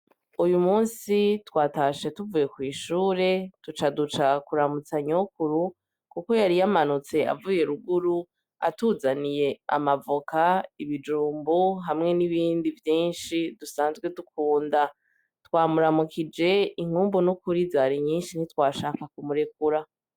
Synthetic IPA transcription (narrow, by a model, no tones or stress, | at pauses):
ujumuːnsitwaːtaʃetuvuːje̞kwiːʃuːɾe̞tut͡ʃadut͡ʃakuɾamut͡saɲokuɾu | kuko̞jaɾijamanut͡se̞a̰vuːje̞ɾuɡuɾu | a̰tuzanije̞a̰mavukaiβid͡ʒuːmbuɦamŋe̞niβiːndivjiːnʃidusaːnzɡwe̞dukʰuːnda | twaːmuɾamukʰid͡ʒe̞iŋ̥huːmbonukuɾizaːɾiɲiːnʃinitwaːʃaːkakumuɾe̞kuɾa